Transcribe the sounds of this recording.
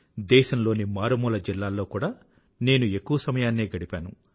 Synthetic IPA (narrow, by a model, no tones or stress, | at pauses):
d̪ɛːʃɐmlo̞ːnimaːɾɐmuːlɐd͡ʒilːaːlːo̞ːkuːɽaː | ne̞ːnue̞kːuʋɐsɐmɐjaːnːeːɡɐɽipaːnu